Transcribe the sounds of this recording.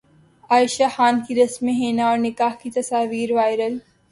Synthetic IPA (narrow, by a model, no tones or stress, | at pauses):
aːʃaxaːnkiɾɐsmːẽɦeːnaɔːɾnɪkaːhkit̪ɐsaːʋiːɾʋaːɪɾəl